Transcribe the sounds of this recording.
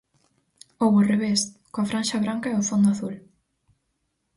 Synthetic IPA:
owβʊreβeskoafɾanʃɐβɾaŋkɐeofond̪oaθul

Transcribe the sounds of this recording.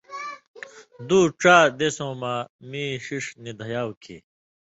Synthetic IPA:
d̪uːʈ͡ʂaːd̪esõːmaːmiːɕiʂnid̪ʱɐjaːwkʰḭː

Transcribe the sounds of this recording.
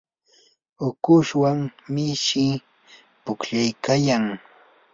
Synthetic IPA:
ʊkʊʃwaŋmɪʃɪ | pʊkʎajkajaŋ

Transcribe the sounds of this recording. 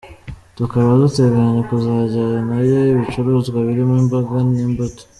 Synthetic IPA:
tukaβazute̞ɡeɾaɲekuzaɟaɾanaβjojiβit͡ʃuɾuzɡwaβiɾimimboɡannimboto̥

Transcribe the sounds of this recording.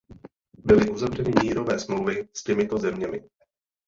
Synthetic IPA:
bɪlɪʔuzavrɛnɪmiːɾo̞vɛːsmlowvɪscɛmɪt̪o̞zɛmɲɛmɪ

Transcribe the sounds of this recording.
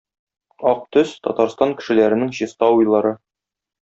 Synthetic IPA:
ɒq̚t̪ɵst̪ɒ̰t̪ɑɾst̪ɑŋkɘ̆ʃɘ̆læɾɘ̆nɘŋɕist̪ɑwujlˠɑɾɤ

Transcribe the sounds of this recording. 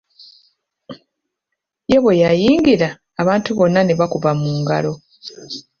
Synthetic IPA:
je̞βejajiːŋɡiɾaː | βaːntuβo̞nːane̞βakuβamuːŋɡa̰lo̞

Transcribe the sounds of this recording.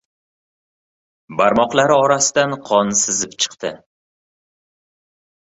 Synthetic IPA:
baɾmɒqlaɾɪɒɾasɪd̪anqʰɒnsɪzɪpt͡ʃʰɨ̥qt̪ʰɪ̰

